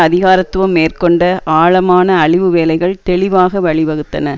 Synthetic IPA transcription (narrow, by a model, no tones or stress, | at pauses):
ɐðɪɣaːɾɐt̪ːʊʋɐmːeːrkɔɳɖɐʔaːɭɐmaːnɐːɭɪʋɯʋeːlɐɪɣɐɭt̪ɛɭɪʋaːɣɐʋɐɭɪʋɐɣɯt̪ːɐ̰nɐ